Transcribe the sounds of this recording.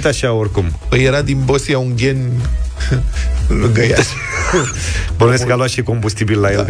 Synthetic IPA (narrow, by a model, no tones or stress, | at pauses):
t̪aʃaorʲkumpəjeɾad̪inbosiauŋɡʲe̞n | lɨɡəja̰ʃ | bunumeskaloat̪ʃiko̞mbust̪ibilːajelɡ